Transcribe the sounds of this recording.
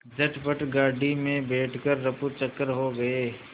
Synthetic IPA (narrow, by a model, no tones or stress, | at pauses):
d͡ʒɐʈʰbəʈɡaːɖimẽbɛːʈʰkəɾːɐput͡ʃɐkːəɾɦoɡɐeː